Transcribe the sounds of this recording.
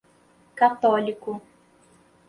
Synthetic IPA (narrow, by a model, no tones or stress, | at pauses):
kat̪ɔːlikʊ